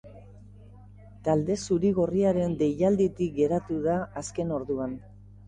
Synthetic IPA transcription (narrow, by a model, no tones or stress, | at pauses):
t̪ald̪e̞suɾiɣ̞o̞riaɾe̞nd̪e̞ʎald̪it̪ik̚ɡe̞ɾat̪uðaːske̞no̞ɾðuan